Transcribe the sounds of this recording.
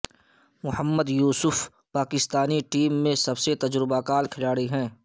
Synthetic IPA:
mʊhəmːəd̪juːsʊf | paːkɪst̪aːniʈiːmːẽsɐbset̪ɐd͡ʒɾɪbakaːlkʰɪlaːɽiɦɛ̃ː

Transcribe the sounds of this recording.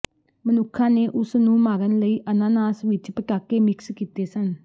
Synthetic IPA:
mənʊkʰːãːneːʔʊsnũːmaːɡənləiːʔənaːnaːsʋɪt͡ʃpəʈaːkeːmɪkskiːt̪eːsən

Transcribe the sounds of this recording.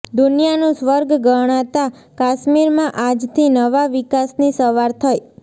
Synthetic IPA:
d̪unijanũsʋəɾɡɡəɽ̃at̪a | kaʃmiɾmãʔad͡ʒt̪ʰinəʋaʋikasnisəʋaɾt̪ʰəj

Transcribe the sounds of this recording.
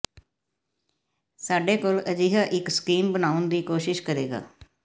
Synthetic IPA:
saːɖeːkoːləd͡ʒiːɦaːʔɪkskiːmbənaːʊnd̪iːkoːʃɪʃkəɾeːɡa̰ː

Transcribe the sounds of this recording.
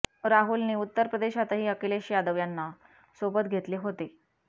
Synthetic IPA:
ɾaɦulniːut̪ːəɾpɾəd̪eɕat̪əɦiːəkeleɕijad̪əʋjanːa | sobət̪ɡʱet̪leɦot̪e

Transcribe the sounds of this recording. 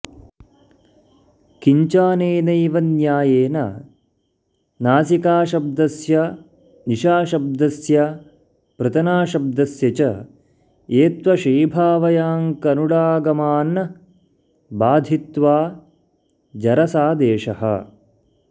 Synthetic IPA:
kiɲt͡ʃaːneːnɐjʋɐnjaːjeːnɐ | naːsikaːʃɐb̚d̪ɐsjɐ | niʃaːʃɐb̚d̪ɐsjɐ | pɾɐt̪ɐnaːʃɐb̚d̪ɐsjɐt͡ʃɐ | eːt̪ʋɐʃiːbʱaːʋɐjaːŋkɐnuɽaːɡɐmaːn | baːd̪ʱit̪ʋaː | d͡ʒɐɾɐsaːd̪eːʃɐhɐ̰

